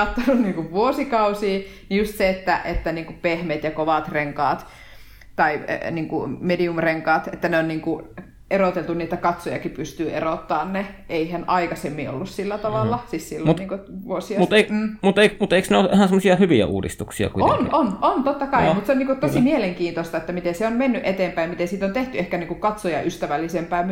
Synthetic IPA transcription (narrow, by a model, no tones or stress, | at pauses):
ɑt̪ːonunniːŋkuʋʋuosikɑusiː | nijust̪seet̪ːæ̰ʔet̪ːæniːŋkupehmet̪jɑkoʋɑt̪reŋkɑːt̪ | t̪ɑiniːŋkṵmediumreŋkɑːt̪et̪ːæneonniːŋku | erot̪elt̪unniːt̪ækɑt̪sojɑ̰kipyst̪yːḛrot̪ːɑːnneeihænʔɑikɑsemːio̰lːussilːæt̪ɑʋɑlːɑsissilːunniːŋkoʋuosiɑmueimut̪eˑimut̪eˑiksneoʔehænsemːosiɑhyʋiæ̰ʔṵːdḭst̪uksiɑ̰kuitonʔonont̪ot̪ːɑkɑimut̪seoniːŋkott̪osimieleŋkiːnt̪ost̪ɑet̪ːæmit̪enseommenːyʔet̪eːmpæimmit̪esiːt̪ont̪eht̪yehkæniːŋkukɑt̪sojɑ̰ʔyst̪æʋælːisempæːmm